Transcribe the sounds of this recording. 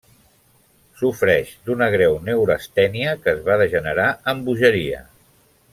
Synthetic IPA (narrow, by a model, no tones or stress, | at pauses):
sufɾɛʒd̪unəɣ̞ɾɛwnewɾəst̪ɛniəkəːzβaðəʒənəɾaəmbuʒəɾiə̰